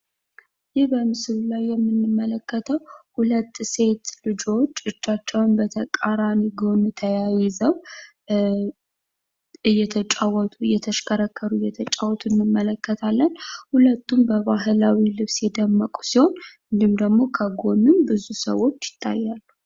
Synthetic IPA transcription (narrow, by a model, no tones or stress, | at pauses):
jɪhbəmɨsɨlulajːɛmːɨnːɨmːələkːət̪ʰəwhulət̪ːse̞t̪lɨd͡ʒo̞t͡ʃːɨt͡ʃːat͡ʃːɛwnbət̪ʰəkʼaɾaniɡo̞nut̪ʰəjajɪzəw | ɨjːɛt̪ʰət͡ʃʼawɔt̪ʼuɨjɛt̪ʰəʃkʰəɾəkʰːəɾujɛt̪ʰət͡ʃʼawɔt̪ʰʼunːɨmːələkːət̪ʰalːənhulət̪ːumbəβaɦɨlawilɨβsjɛd̪əmːəkʼu̥siho̞nhɨnd̪ɨmd̪əɡmo̞kʰəɡo̞nɨmbɨzusə̰wo̞t͡ʃːjɪ̥t̪ʰːa̰jːalːu